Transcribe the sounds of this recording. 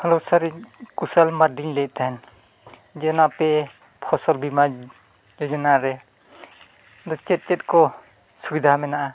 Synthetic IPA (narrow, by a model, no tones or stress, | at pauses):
hɔlɔwsaɾikusalmaɾdiŋlɛʔ̚t̪ʰan | d͡ʒɛnapɛ | pʰɔsɔlbima | d͡ʒɔd͡ʒɔnaɾɛ | d̪ɔt͡ʃɛt̚t͡ʃɛt̚kɔ | subid̪ʱamɛnaʔa